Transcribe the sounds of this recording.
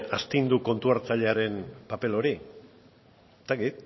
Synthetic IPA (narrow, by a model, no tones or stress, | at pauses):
ast̪ind̪uko̞nt̪uaɾt͡saʎe̞aɾe̞npape̞lo̞ɾi | est̪akit̪̚